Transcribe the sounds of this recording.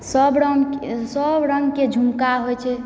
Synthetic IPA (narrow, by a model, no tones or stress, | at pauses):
səbɾsəbɾəŋɡked͡ʒʱumkaɦojt͡ʃʰɛ